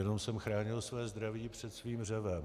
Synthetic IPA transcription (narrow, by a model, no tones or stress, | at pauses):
ɛno̞msɛmxɾaːɲɪlsvɛːzd̪ɾaviːpr̝̥ɛt̪sviːmr̝ɛvɛm